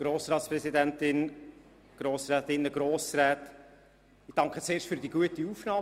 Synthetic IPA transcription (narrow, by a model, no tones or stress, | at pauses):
ɡ̥ɾoːsɾɑːt̪sprɛzidæntɪn | ɡ̥ɾoːsɾɛːtɪnːəɡ̥ɾoːsɾæːt | ɪd̥ɑŋkχət͡seːʃtfyːɾdiːɡ̥uətiufnɑː